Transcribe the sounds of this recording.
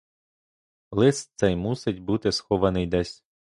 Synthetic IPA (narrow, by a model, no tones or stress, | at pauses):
lˠɪssɛjmusɪtʲbut̪ɪsxɔʋɐnɪjd̪ɛsʲ